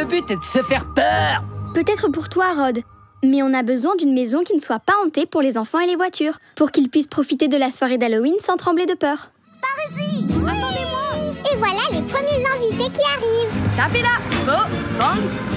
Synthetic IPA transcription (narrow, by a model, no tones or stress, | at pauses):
əbyt̪ɛd̪əsəfɛʁpœʁpøt̪ɛt̪χəpuʁt̪waʁɔd̪ | mɛɔ̃nabəzwɛ̃d̪ynmezɔ̃kʲinəswapaɑ̃t̪epuʁlezɑ̃fɑ̃elevwat̪ʰyːʁpuʁkilpɥispχɔfit̪ed̪əlaswaʁed̪alɔinsɑ̃t̪χɑ̃bled̪əpœːʁ | paʁziasɑ̃d̪emwaevwalalepχəmjezɛ̃vit̪ekʲiaʁivt̪apelabobɑ̃ɡ̪